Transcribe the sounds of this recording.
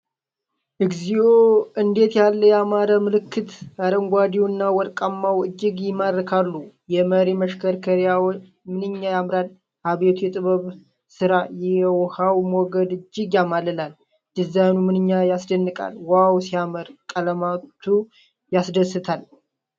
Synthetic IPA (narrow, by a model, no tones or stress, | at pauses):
ʔɨɡzioʔɨnd̪e̞t̪jalːəjamaɾamɨlɨkːɨt̪aɾəŋɡʷad̪iwɨnːawɔɾkʼamːawɨd͡ʒːɪɡjɪmaɾɾkʰalːujɛməɾiməʃkʰəɾkʰəɾjaw | mɨnɨɲːajamɾan | haβe̞t̪ʰujɛt̪ʼɨβəβ | sɨɾajɛwhawmoɡəd̪ɨd͡ʒːɪɡjamalɨlal | d̪̥ɨzanumɨnɨɲːajasd̪ənːɨkʼa̰lwawsiaməɾkʼələmat̪ʰːu | jasd̪əsɨt̪ʰal